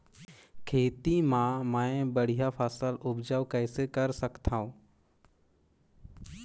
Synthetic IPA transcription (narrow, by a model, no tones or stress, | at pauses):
kʰeːt̪imãːmãːẽbəɽ̤ijapʰaːsəlʊbd͡ʒaːʋkəːsekəɾsəkt̪ʰãːõː